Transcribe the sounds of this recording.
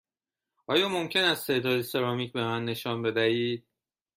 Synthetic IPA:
ʔɒːjɒːmo̞mcʰe̞næst̪ʰe̞ːd̪ɒːd̪ese̞ɾɒːmiːcbe̞mænːe̞ʃɒːnbe̞d̪æiːd̪̥̚

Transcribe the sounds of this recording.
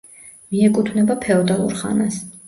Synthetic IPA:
miɛkʼut̪ʰvnɛbapʰɛɔd̪alˠṵɾχa̰nas

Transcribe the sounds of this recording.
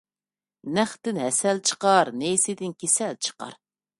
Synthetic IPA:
næχt̪ɪnɦɛsɛlt͡ʃʰə̥qɑɾnesɪd̪ɪnkʲʰesɛlt͡ʃʰə̥qɑ̰ɾ

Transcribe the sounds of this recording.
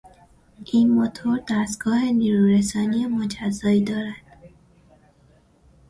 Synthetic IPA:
ʔiːnmot̪ʰoɾd̪æst̪ɡ̥ɒːhe̞niːɾuɾesɒːnijemod͡ʒæzːɒːiːd̪ɒːɾæd̪̥

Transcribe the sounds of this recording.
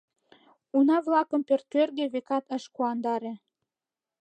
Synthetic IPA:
unɑβlɑkə̆mpørt̪ːørɣĕβekɑt̪əʃkuɑnd̪ɑɾĕ

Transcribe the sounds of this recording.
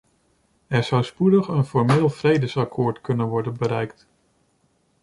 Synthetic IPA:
ɛɹz̥ʌwspudəχənfɔɹmɪːlˠvrejdəsɑkʰoːɹtkɵnənʋɔɹdənbəɾɛjkt

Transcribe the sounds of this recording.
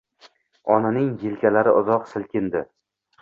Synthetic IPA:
ɒnanɪŋjɪlkʲʰalaɾɪʔʊzɒqsɪlkʲʰɪnd̪ɪ

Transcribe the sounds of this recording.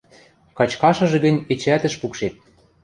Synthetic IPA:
kɑt͡ɕkɑʃɤ̆ʒɤ̆ɡə̆nʲet͡ɕæt̪ə̆ʃpukʃet̪̚

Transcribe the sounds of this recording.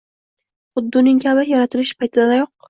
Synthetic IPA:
χʊd̪ːʊnɪŋkʰʲabajaɾat̪ʰɪlɪʃpʰajt̪ʰɪd̪anajɒq̚

